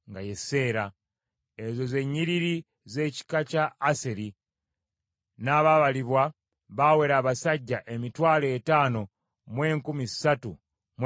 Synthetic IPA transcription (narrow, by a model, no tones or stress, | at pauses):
ŋɡajese̞ːɾa | ezo̞ze̞ɲːiɾiɾi | ze̞ci̥kacaːseɾi | naːβaβaliβwa | βawe̞ɾaːβasaɟːaʔe̞mitwaːleːtaːno̞ | mwe̞ːŋkumizisatu | m